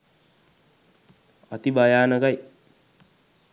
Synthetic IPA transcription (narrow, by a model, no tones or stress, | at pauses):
at̪ibajaːnəkaj